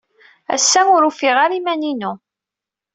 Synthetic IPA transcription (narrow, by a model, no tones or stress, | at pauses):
æ̰sːæʊɾufɪʁaɾimæninu